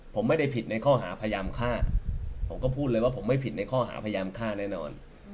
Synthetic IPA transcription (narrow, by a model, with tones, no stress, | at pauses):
pʰo˩˦mːa˥˩jda˥˩jpʰi˨˩t̪̚na˧jkʰɔː˥˩ɦa̰ː˩˦pʰa˧jaː˧mkʰaː˥˩pʰo˩˦mkɔː˥˩pʰuː˥˩t̪̚lːjwaː˥˩pʰo˩˦mːa˥˩jpʰi˨˩t̪̚na˧jkʰɔː˥˩ɦa̰ː˩˦pʰa˧jaː˧mkʰaː˥˩nɛː˥˩nɔ̰ː˧n